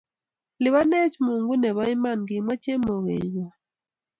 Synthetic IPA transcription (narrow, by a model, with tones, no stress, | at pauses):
lɪ˨βa˦nɛ˦t͡ʃmo˨ŋɡu˦nɛ˨βɔ˦ɪ˦ma˦˨nɡɪ˨mwa˦t͡ʃe˦mo˨ŋḛ˨ɲɔ˨